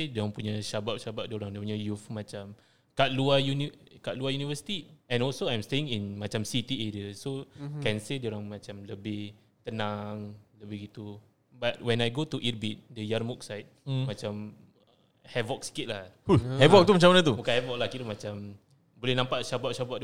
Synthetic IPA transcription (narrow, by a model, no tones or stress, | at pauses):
dioaŋpuɲaʃabaʔ̚ʃabaʔ̚dioɾaŋdəpuɲajufmat͡ʃam | kaʔ̪̚luajunikaʔ̚luajunivəsi̥t̪iɛ̃nɔlsoajɛmst̪eɪ̃ŋĩnmat͡ʃamsit̪iedəsokɛnsədioɾaŋmãt͡ʃamləbɪh | t̪ənãŋləbɪhɡit̪u | bat̪̚wɛ̃najɡot̪uʔirbit̪̚dəjarmuk̚sajt̪̚mat͡ʃam | hɛvɔk̚si̥kit̪̚lahuhɛvɔk̚t̪umat͡ʃamanət̪ubukanhɛvɔk̚lahkit̪əmat͡ʃam | bolɛhnãmpaʔʃabaʔʃabaʔ̚d